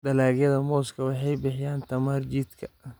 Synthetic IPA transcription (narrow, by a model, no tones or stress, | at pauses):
d̪ɐlaːɡjɐðɐmɔːskʰɐwɑħɑjbɪħɪjaːnt̪ʰɐmaːrt͡ʃiːd̪kʰɐ